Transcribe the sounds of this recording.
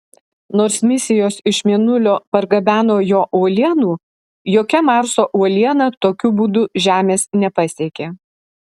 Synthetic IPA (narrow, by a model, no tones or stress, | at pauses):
noːɾsmʲɪsʲɪjoːsɪʃmʲiɛnʊlʲoːpɐɾɡɐbʲæːnoːjoːʔuɔlʲiɛnuː | joːkʲɛmɑˑɾsoːʔuɔlʲiɛnɐt̪oːkʲubuːd̪ʊʒʲæːmʲeːsnʲɛpɐsʲiɛkʲeː